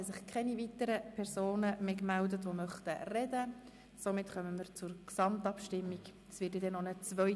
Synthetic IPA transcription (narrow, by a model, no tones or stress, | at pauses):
sɪχkʰɛnivit̪əɾəpʰɛɾsoːnəmeːkmældətʋomœχtərɛdə | somɪtχœməməɾt͡sʊɾksɑmtɑpʃtɪmːikd̥ɑsʋɪːtjɛdɛnonət͡svœ